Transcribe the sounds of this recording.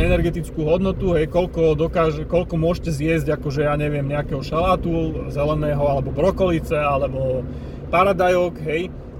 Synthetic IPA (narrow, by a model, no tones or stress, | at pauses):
ɛnɛɾɡɛt̪it͡skuːɦɔd̪nɔt̪uɦɛjkɔʎkɔd̪ɔkaːʒɛkɔʎkɔmʊɔʒcɛzɪjɛzɟakɔʒɛjaːɲɛʋɪɛmɲɛakɛɦɔʃalaːt̪uzɛlɛnɛːɦɔalɛbɔbɾɔkɔlit͡sɛalɛbɔ | paɾad̪ajɔkɦɛj